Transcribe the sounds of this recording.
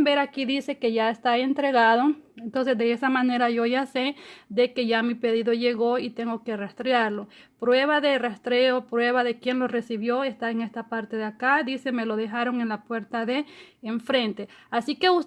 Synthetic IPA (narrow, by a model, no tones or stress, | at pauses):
beɾakiðise̞ke̞ʝaest̪ae̞nt̪ɾe̞ɣaðoent̪o̞ns̬e̞sd̪eesamãne̞ɾaʝo̞ʝased̪e̞ke̞ʝamipe̞ðiðoʝe̞ɣo̞it̪e̞ŋɡo̞ke̞rast̪ɾeaɾlo̞pɾweβaðerast̪ɾeopɾwe̞βaðe̞kje̞nlo̞re̞siβjo̞est̪aeŋe̞st̪apaɾt̪eðeakad̪iseme̞lo̞ðe̞xaɾo̞ŋe̞nlapwe̞ɾt̪aðeːɱfɾe̞nt̪easike̞us